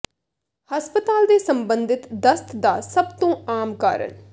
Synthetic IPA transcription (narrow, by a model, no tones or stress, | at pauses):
həspət̪aːld̪eːsəmbənd̪ɪt̪d̪əst̪ʰd̪aːsəbt̪õːaːmka̰ːɾə̰n